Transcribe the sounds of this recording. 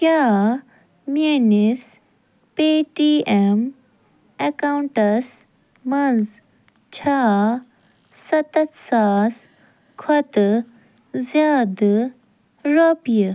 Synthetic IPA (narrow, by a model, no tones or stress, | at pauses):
kjaː | meːnis | peːʈiem | ekawuɳʈɐs | mɐnz | t͡ʃʰaː | sɐt̪ɐt̪saːs | kʰɔt̪ | zjaːd̪ | ɾoːpijə